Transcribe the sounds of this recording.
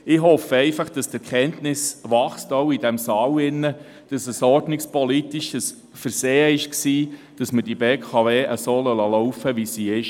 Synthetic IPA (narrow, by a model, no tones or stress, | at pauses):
ɪɦɔfəɛɪfɑχd̥ɑstɛɾkʰχɛntnɪsʋɑχstowidɛmsɑːwɪnːə | d̥ɑsəsɔɾdnɪkspɔlitiʃəs | fəɾseːəɪʃksiː | d̥ɑsməd̥ibeːkʰɑveːʔəsoːlɔlɑlɔwfəʋisiɪʃ